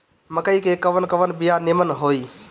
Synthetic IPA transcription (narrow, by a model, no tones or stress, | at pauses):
məkəiːkeːkəʋənkəʋənbijaːnɪmənɦoːiː